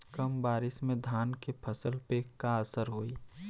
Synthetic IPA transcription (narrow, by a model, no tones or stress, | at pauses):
kəmbaːɾɪsmẽd̪ʱaːnkepʰəsəlpekaəsəɾɦoːi